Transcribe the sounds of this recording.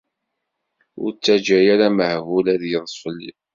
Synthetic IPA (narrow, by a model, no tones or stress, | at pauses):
ʊ̰ɾt͡sːæd͡ʒæjaɾæməhvulæðjəðˤsˤəlːḭ